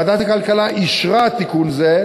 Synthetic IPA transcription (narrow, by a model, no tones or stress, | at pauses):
d̪at̪akalkalaʔiʃʁat̪ikunze